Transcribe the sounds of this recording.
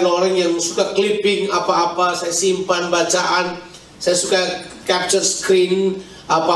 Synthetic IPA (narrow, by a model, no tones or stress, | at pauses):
noɾaŋjaŋsukaklipɪŋapaːpasajasimpanbat͡ʃaʔan | sajasukakap̚t͡ʃərskɾin | ʔapa